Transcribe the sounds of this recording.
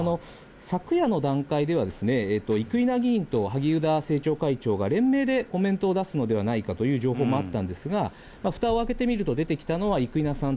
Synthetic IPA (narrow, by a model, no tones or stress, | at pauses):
no̞ | sakɯ̟jano̞d̪ãŋkaid̪e̞β̞ad̪e̞sɨne̞ːt̪ːo̞ikɯ̟inaɡʲĩːnt̪o̞ɦaɡʲiɯ̟d̪ase̞ːt͡ɕo̞ːkait͡ɕo̞ːɡaɾẽ̞mːe̞ːd̪e̞ko̞mẽ̞nt̪o̞ːd̪asɨno̞d̪e̞β̞anaikat̪o̞jɯ̟ːʑo̞ːɦo̞ːmo̞at̪ːãnd̪e̞sɨɡa | maɸɯ̟̥t̪ao̞ake̞t̪e̞mʲiɾɯ̟t̪o̞d̪e̞t̪e̞kʲi̥t̪ano̞βaikɯ̟inasãn